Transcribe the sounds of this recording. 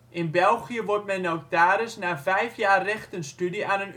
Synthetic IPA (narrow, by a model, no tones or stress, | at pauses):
ʔɪnbɛlˠχijəʋɔrt̚mɛnowk̚taːɾɪsnaːvɛjfjaːrɛxtənstydianən